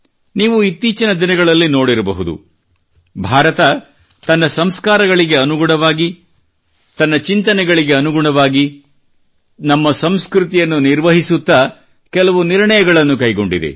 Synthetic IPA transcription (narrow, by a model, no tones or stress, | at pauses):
niːʋuit̪ːiːt͡ʃɐnɐd̪inɐɡɐɭɐlːino̞ːɽiɾɐbɐ̰ɦud̪ṵ | bʱaːɾɐt̪ɐ | t̪ɐnːɐsɐmskaːɾɐɡɐɭiɡe̞ɐnuɡuɳɐʋaːɡi | t̪ɐnːɐt͡ʃint̪ɐnɛɡɐɭiɡe̞ɐnuɡuɳɐʋaːɡi | nɐmːɐsɐmskɾut̪ijɐnːuniɾʋɐɦisut̪ːɐ | kɛlɐʋuniɾɳɐjɐɡɐɭɐnːukɐjɡo̞ɳɖḭd̪ḛ